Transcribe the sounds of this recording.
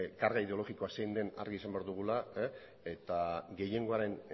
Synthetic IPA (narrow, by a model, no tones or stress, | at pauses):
kaɾɣaið̞e̞o̞lo̞ɣiko̞asejnd̪e̞na̰ɾɣisambe̞aɾðuɣ̞ula | e̞t̪aɡe̞je̞ŋɡo̞aɾe̞n